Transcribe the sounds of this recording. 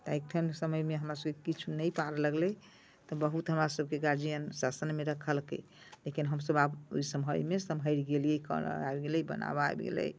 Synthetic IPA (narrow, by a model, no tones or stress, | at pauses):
t̪aek̚t̪ʰənsəməjmeɦəmɾasəb̚kekit͡ʃʰunəjpaɾləɡlə | t̪ɔbəɦut̪ɦəmɾasəb̚keɡaɾd͡ʒijənsasənmeɾəkʰəlkḛ | lekinɦəmsəbabo̰jsəmɦəjmesəmɦəjɾɡelijekə̰a̰ebɡeləjbə̰na̰ba̰bɡḛlə̰j